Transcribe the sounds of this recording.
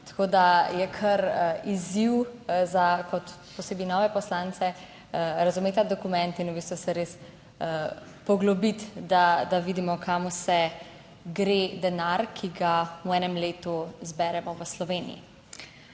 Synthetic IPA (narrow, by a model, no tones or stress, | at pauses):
t̪ḁkoːd̪ajɛkʰɐɾiziwzakɔt̪pɔseːbinɔʋɛpɔslaːnt̪sɛ | ɾazumeːt̪ad̪ɔkumɛnt̪inubiːst̪ʋusɛɾes | pɔɡlɔbit̪d̪ad̪aʋiːd̪imɔkʰamusɛ | ɡɾed̪ɛnaɾkʰiɡawɛːnɛmleːt̪uzbɛɾɛmɔʋəslɔʋeːnḭjḭ